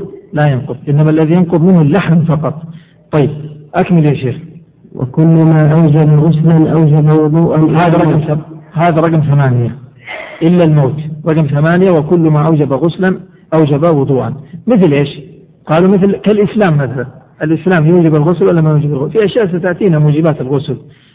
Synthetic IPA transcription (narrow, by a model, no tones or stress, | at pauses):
lajɪnqʊðˤʔɪnːamaʔlːaðijɪnqʊðˤmɪnhʊlːaħmfɑqɑt̪ˤ | t̪ˤːɑjːɪb̚ʔakmɪljaʃeːx | wɪ̰kʊlːmaːʔawd͡ʒabɣʊslanʔawd͡ʒabawʊd̪ˤuːʔanhaːðaɾˤɑɡmahaːðaɾˤɑɡmθamaːnɪja | ʔɪlːalmoːt̪ɾˤɑɡmθamaːnɪjawɪkʊlːmaʔawd͡ʒabaɣʊslan | ʔawd͡ʒabawʊd̪ˤuːʔanmɪθlʔeːʃ | qɑːlumɪθlkalʔɪslaːmːaθalanʔalʔɪslaːmjuːd͡ʒɪbalɣʊslʔɪlːamajuːd͡ʒɪbalɣʊfiʔaʃjaːʔs̬at̪aʕt̪iːnamuːd͡ʒɪbaːt̪ɪlɣʊsl